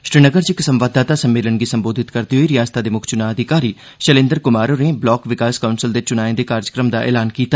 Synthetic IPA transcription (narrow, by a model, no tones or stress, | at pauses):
ʃɾɪnəɡəɾt͡ʃɪksəmʋaːd̪aːt̪aːsəmːeːlənɡiːsəmboːd̪ʱɪt̪kəɾd̪iːɦoiːɾɪjaːst̪aːd̪eːmʊkʰt͡ʃʊnaːəd̪ʱɪkaːɾiː | ʃəlẽːnd̪əɾkʊmaːɾoːneblɔːkʋɪkaːskaʊnsəld̪eːt͡ʃʊnaːẽd̪eːkaːɾd͡ʒəkɾəmd̪aːʔḛːlaːnkiːt̪a